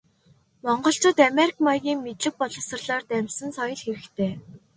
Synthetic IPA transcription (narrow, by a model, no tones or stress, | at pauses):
mɔɴɢɞ̆ɬt͡ɕʊːt̪ameɾikmɔjɣʲiːŋmet̪ɮɘ̆k̚pɔɮɞ̆sɞ̆rɮɔːrt̪æmʲsə̆nsɔjɞ̆ɮxeɾɘ̆kt̪ʰeː